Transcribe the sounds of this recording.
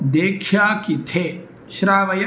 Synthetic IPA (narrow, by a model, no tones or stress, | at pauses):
d̪eːkʰjaːkit̪ʰeː | ʃɾaːʋɐjɐ